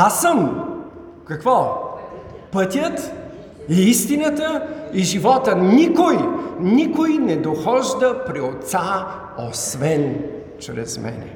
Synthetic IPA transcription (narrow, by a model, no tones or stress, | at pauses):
asəm | kɐkvɔ | pət̪ʲjət̪ | iist̪inət̪əiʒivɔt̪ənikojnikojnɛd̪oxɔʒd̪əpɾiot̪sa | osvɛn | t͡ʃɾɛ̰zmɛ̰nɛ̰